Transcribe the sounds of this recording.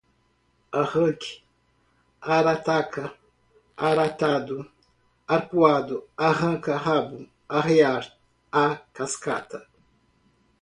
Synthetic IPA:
ahɐ̃kɪ̥ | aɾat̪akʰɐ | aɾat̪ad̪ʊ | aɾpuad̪ʊaɦɐ̃kɐɦabʊ | aɦeaɾ | akaska̰t̪ɐ

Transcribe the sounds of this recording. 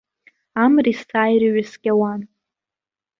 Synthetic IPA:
amristʰaːjɾɨɥasɡʲawan

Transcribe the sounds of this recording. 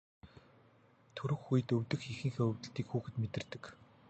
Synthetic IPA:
t̪ʰɵɾɵ̆xːujɘ̆t̪ɵwʲt̪ɘ̆xixĭŋxeːɵwt̪ɘ̆ɬt̪iːkxuːxɘ̆t̪met̪ɘ̆rt̪ɘ̆k

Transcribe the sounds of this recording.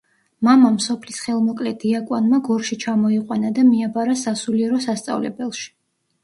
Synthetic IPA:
mamamsɔpʰlisχɛlˠmɔkʼlɛd̪̥iakʼwanmaɡɔɾʃit͡ʃʰamɔiqʼwanad̪amiabaɾasasuliɛɾɔsast̪sʼa̰vlɛ̰bɛlˠʃi̥

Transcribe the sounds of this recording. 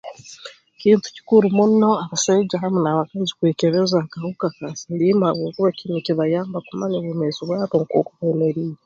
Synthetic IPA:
kiːntu̥ci̥kuɾumuno̞aβasaid͡ʒaɦamunaβakazi̥kweːkeβezakahukakasilimaβuːkuβakcinuciβajaːmbakumaɲeβumeziβwaːβoŋkwo̰ːkuβeneɾiːɾa

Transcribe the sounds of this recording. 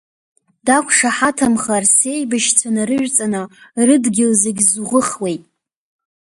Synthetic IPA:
d̥akʷʰʂaħatʰamχarse̞jbɨʃt͡sʷʰanaɾɨʒᶣʷt͡sʼanɨrɨdɡʲɪlzeɡʲzʁʊχwe̞jtʼ

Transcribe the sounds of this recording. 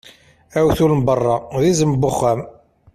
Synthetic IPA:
æwθulmbərˤːɑðizəmbːʊχːæm

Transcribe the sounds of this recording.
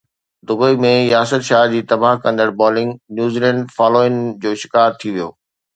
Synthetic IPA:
d̪ʊbəimẽjaːsət̪ʃaːd͡ʑiːt̪ɐbaɦkɐ̃nd̪əɽbɔːlɪ̃ŋɡnjuːziːlɛ̃ɳɖfaːloːɪnd͡ʑoːʃɪ̥kaːɾt̪ʰiʋijoː

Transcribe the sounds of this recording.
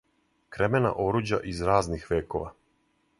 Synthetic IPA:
kɾemena̰ʔo̞ɾuːd͡ʑa̰ʔizɾaːznixʋeːko̞ʋa̰

